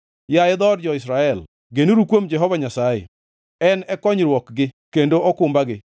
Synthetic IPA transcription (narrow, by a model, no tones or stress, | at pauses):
jaɪd̪ɔɾd͡ʒɔɪsɾaɛl | ɡeniɾukwomd͡ʒɛɦɔvaɲasajḛ | ɛnɛkɔɲɾwɔkɡɪkendoɔkʊmbaɡɪ